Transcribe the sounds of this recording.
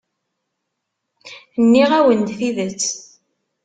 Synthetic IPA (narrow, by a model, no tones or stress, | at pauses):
nːiʁæwənd̪θiðət͡sː